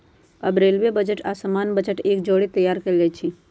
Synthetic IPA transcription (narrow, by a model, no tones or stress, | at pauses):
ɐbɾeːlʋebəd͡ʒəʈaːsəmaːnbəd͡ʒəʈeːk̚d͡ʒoːɽit̪əjːaːɾkɐlet͡ʃʰi